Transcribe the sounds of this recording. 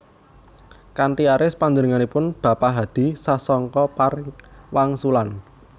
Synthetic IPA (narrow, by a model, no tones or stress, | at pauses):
kanʈiaɾɪspaɲd͡ʒənəŋanipʊnb̥a̤paɦad̪̥i̤sasɔŋkɔparwaŋsulan